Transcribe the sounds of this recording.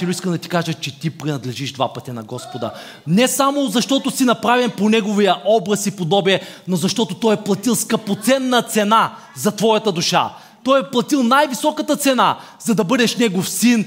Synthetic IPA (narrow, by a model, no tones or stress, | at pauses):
ilʊiskəmd̪ɐt̪i̥kaʒət͡ʃɛt̪ipɾinɐd̪lɛʒiʒd̪va̰pɐt̪ɛnɐɡɔspod̪ə̰ | nɛsamozɐʃt̪ɔt̪osinɐpɾavimponɛɡovijəʔɔbɾɐsipod̪ɔbiɛnozɐʃt̪ɔt̪ot̪ɔjɛplˠɐt̪ilˠskɐpot̪sɛnːɐt̪sɛna | zɐt̪vɔjɐt̪ɐd̪uʃa̰ | t̪ɔjɛplˠɐt̪ilˠnajvisɔkət̪ət̪sɛna | zɐd̪ɐbɤd̪ɛʃnɛɡofsin